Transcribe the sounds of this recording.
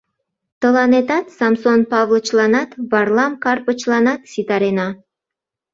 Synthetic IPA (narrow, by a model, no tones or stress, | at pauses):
t̪olˠɑnet̪ɑt̪samsonpɑvlˠət͡ʃlˠɑnɑt̪vɑrlˠɑmkarpə̆t͡ʃlˠɑnɑt̪sʲit̪aɾenɑ